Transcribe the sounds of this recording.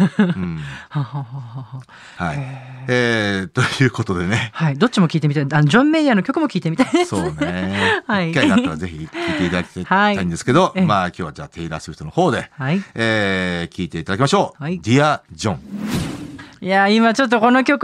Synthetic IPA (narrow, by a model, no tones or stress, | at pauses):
hahaːhaɦah | haiet̪o̞jɯ̟ːko̞t̪o̞d̪e̞ne̞haid̪o̞t͡ɕimo̞kʲiːt̪emʲit̪aanod͡ʑõ̞mːejano̞kʲo̞kɯ̟mo̞kʲiːt̪e̞mʲit̪aid̪esoːnehaikːainaaɾaze̞çiiːt̪e̞it̪ad̪aki̥t̪aaiaĩnd̪esɨ̥ke̞d̪o̞maːkʲo̞ːβad͡ʑa̰ːt̪ʰe̞iɾa̰sɨɾɯ̟ç̥t̪onoho̞ːd̪e̞haieːkʲʰiːt̪e̞it̪ad̪akimaɕo̞ːaid̪ʲiad͡ʑõ̞ŋ | jaimat͡ɕo̞t̪ːoko̞no̞kʲo̞k